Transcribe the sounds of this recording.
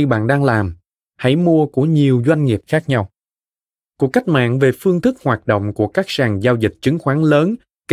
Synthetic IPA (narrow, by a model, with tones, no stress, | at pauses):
i˧ɓa̰ː˧˨nɗaː˧ŋlaː˨˩m | ha̰˧˥jmu˧əku˧˩əɲi˨˩əwzwa˧jŋ̟ŋi˨˩əp̚xaː˦˥k̚ɲa˧w | ku˨˩əkːa˦˥jk̟̚ma̰ː˧˨nve˨˩fɨ˧əŋt̪ʰɨ˦˥k̚hwaː˨˩t̚ɗo̰˧˨wŋ͡mku˧˩əkaː˦˥k̚saː˨˩ŋzaː˧wzï˨˩k̟̚t͡ɕɨ˨˦ŋxwaː˨˦ŋləː˨˦n | k